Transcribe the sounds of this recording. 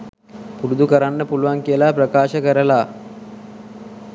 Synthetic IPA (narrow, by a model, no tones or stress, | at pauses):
puɾud̪ukəɾanːəpuluʋaŋkijəlaprəkaːʃəkəɾəlaː